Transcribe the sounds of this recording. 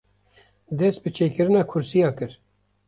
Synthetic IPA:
d̪ɛst̪̚bɨt͡ʃʰeːkɨɾɨnɑːkʰʊɾsijɑːkɨɾ

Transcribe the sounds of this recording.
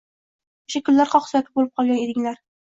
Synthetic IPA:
ʊʃakʰʲʊlːaɾqʰɒqsɒk̪ʲʰɪbolɪp̚qʰɒlˠɡʲaned̪ɪŋlaɾ

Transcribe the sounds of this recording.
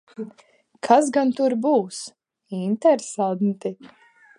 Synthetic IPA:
kʰas̬ɡant̪uɾbuːs | int̪ɛɾsant̪i

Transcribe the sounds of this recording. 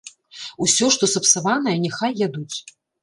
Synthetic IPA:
usʲɔʂt̪ɔsɐpsavanɐjɛnʲɛxajːad̪ut͡sʲ

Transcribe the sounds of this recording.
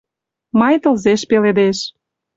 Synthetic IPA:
mɑjt̪ə̆lzeʃpeled̪eʃ

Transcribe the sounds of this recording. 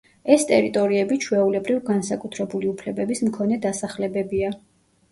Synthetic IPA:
ɛst̪ʼɛɾit̪ʼɔɾiɛbit͡ʃʰwɛulɛbɾivɡansakʼut̪ʰɾɛbuliupʰlɛbɛbismkʰɔnɛd̪asaχlɛbɛbia

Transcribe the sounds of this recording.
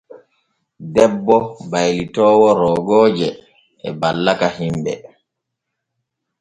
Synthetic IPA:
dɛbːɔbajlitɔːwɔɾɔːɡɔːd͡ʒɛ | ɛ̰balːakahimbɛ̰

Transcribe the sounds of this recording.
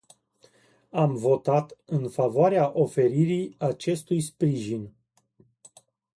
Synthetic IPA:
amvo̞t̪at̪ɨnfavoaɾeaʔo̞fe̞ɾiɾiat͡ʃe̞st̪ujspɾiʒin

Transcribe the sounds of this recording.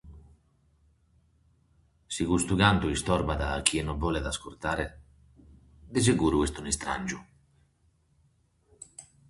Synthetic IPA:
siɣust̪uɡant̪uist̪ɔɾbaðaːkːiɛnɔbɔled̪askuɾt̪aːɾe | d̪ez̬eɡuːɾuest̪unist̪ɾa̰nʲd͡ʒu

